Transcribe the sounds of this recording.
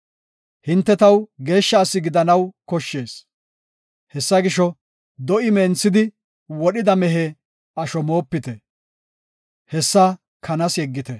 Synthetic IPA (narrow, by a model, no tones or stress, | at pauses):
hɪnt̪ːɛt̪ɐwɡe̞ːʃːɐːsːɪɡɪd̪ɐnɐwkɔʃːe̞ːs | hɛsːɐɡɪʃɔ | d̪ɔʔɪmeːnt͡sːɪd̪ɪ | wɔɗɪd̪ɐmɛɦe | ɐʃɔmo̞ːpːɪt̪ɛ | hɛsːɐ | kʰɐnɐsjɛɡːɪt̪ɛ